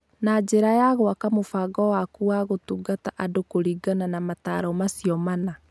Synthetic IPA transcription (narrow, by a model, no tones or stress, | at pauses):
nad͡ʑeɾajaɣowakamofaɡɔwakuaɣotuːɡataʔadokoɾiːɡananamata̰ɾɔmasiɔmana